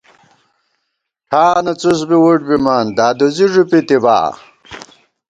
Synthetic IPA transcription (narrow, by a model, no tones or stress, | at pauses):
ʈʰaːnɐt͡sus̬biwuʈ̚bimaːnd̪aːd̪uziʐupit̪iba̰ː